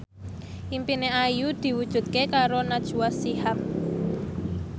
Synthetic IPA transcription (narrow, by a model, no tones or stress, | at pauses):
ʔimpineajud̪̥i̤wud̥ʒ̥ṳt̪̚kekaɾonad̥ʒ̥ṳwasihap̚